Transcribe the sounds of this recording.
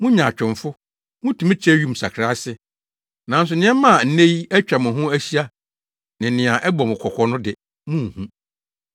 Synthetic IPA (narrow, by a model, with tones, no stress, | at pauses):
mʊ̃˦ɲã˨t͡ɕᶣɪ̃˨ɱfʊ˦ | mʊ̃˦tʰĩ˨mɪ̃˦t͡ɕʰɛ˦ɥu˦˨m̩˨sa̰˨kʰɾa˦sɪ˦ | nã˨˦n˦s̬ʊ˨nɪ̃˦ɛ̃˦mã˦˨n̩˦nẽ˦ji˦ɛ˦t͡ɕᶣa˨mʊ̃˨ɦʊ̃˦æ˦ɕi˦a˦ | nɪ̃˨nɪ̃˨a˨ʔɛ˦bɔ˨mʊ̃˨kʷʰɔ˨kʰʷɔ˨nʊ̃˦dɪ˨ | mũ˦˨hũ˦